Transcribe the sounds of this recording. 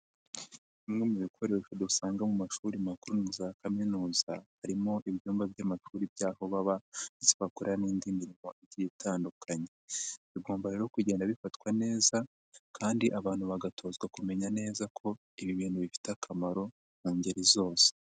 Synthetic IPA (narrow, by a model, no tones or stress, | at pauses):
imŋemuβikʰo̞ɾeʃodusaːŋɡamumaʃuːɾimakuɾuniuzakaminuːzahaɾimo̞ʔiβɟuːmbabjamaʃuːɾibjaːho̞βaβaniseβakuɾaniːndimiɾimo̞ʔiɟiitʰaːndukʰaɲe̞βiɡo̞ːmbaɾe̞ɾokuɟe̞ːndaβifatkwane̞ːza | kʰaːndiʔaβaːn̥huβaɡatʰo̞ːzɡwakume̞ɲane̞ːzakʰo̞ | iβiβiːn̥huβifi̥teakʰamaɾo̞ | n̥aːɲɟeɾizo̞ːse̥